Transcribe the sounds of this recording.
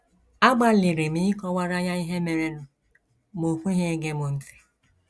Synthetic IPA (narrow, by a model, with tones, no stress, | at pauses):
a˦ɡ͡ba˦lɪ˨ɾe˨mi˦kɔ˦wa˦ɾa˦ɲa˦i˦ɦe˦me˨ɾe˦nʊ˨ | mo˨fu˦ɦe˦ɡe˦mo˨n̩˨ti̥˨